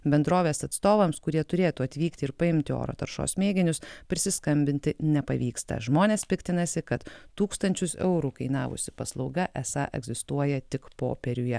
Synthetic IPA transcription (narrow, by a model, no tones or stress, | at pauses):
bʲɛnd̪ɾoːʋʲeːsɐt̪st̪oːʋɐmskʊɾʲiɛt̪ʊɾʲeːt̪uːɐt̪ʲʋʲiːkt̪ʲɪɪɾpɐɪmʲt̪ʲɪo̰ːɾo̰ːt̪ɐɾʃo̰ːsmʲeːɡʲɪnʲʊspʲɾʲɪsʲɪskɐmʲbʲɪnʲt̪ʲɪnʲɛpɐʋʲiːkst̪ɐ̰ʒmoːnʲeːspʲɪkt̪ʲɪnɐsʲɪkɐt̪t̪uːkst̪ɐnʲt͡ʃʲʊsɛ̰ʊɾukɐɪnɑːʋʊ̰sʲɪpɐslˠɒʊɡɐʔɛsɑ̰ʔɛ̰ɡzʲɪst̪uɔjɛt̪ʲɪkpo̰ːpʲɛɾʲʊjɛ